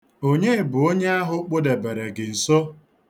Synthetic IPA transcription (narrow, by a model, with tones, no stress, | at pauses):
o˦ɲe˦˨bʊ˨o˦ɲe˦a˦ɦʊ˦k͡po˦de˨be˨ɾe˨ɡɪ˨n̩˨so˦